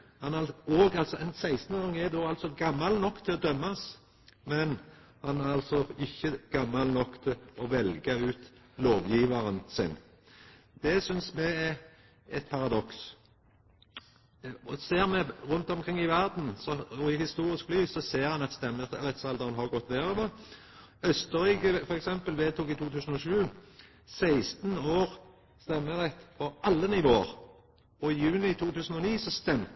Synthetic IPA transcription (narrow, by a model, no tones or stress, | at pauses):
hɑnoːɡɑlsɔɛnsæɪst̪nəʁɑŋːɛd̪oːɑlt̪sɔɡɑmːɑlnɔkːt̪ʰɪlɔd̪œmːɑs | mɛnhɑnæɾɑlt̪sɔɪçːəɡ̥ɑmːɑlnɔkːt̪ʰɪlɔʋɛlɡɑʉːt̪loːʋjiːʋɑɾənsɪ̰n | d̪̥ɛsʏnsmɛɛ | ɛt̪̚pʰɑʁɑd̪ɔks | ɔseːʁmɛʁʉnt̪ɔmkʰʁɪŋːɪʋæʁd̪n̩sɔɔɪhɪst̪uːʁɪsklyːsɔseːɾʁhɑnɑt̪st̪ɛmːəʁɛt̪sɑld̪əʁənɦɑʁɡɔt̪ːʋ̪eːʁøːʋə | œst̪əɾyːkəfɔɾɛksɛmpəlʋeːt̪uːkɪt̪ʰuːt̪ʰʉːsən̩ɔʃʉː | sæɪst̪n̩oːɾ | st̪ɛmːəʁɛt̪ːpʰɔɑlːənɪʋoːə̰ɾ | ɔɪjʉːnɪt̪ʰuːt̪ʰʉːsən̩ɔniːsɔst̪ɛm